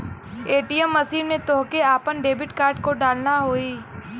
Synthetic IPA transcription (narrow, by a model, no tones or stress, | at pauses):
eːʈijəmːɐsiːnmẽt̪oɦkeaːpənɖeːbɪʈkaːɾɖ̚koɖaːlnaɦoːiː